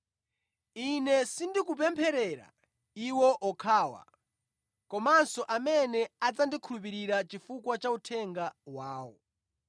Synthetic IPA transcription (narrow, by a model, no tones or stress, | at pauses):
inɛsindikup̬ɛmpʰɛɾɛɾa̰ | iwɔʔɔkʰaːwa̰ | kɔmansɔʔamɛnɛad͡zandikʰulup̬iɾiɾat͡ʃifukwat͡ʃautʰɛŋɡawaːwɔ̰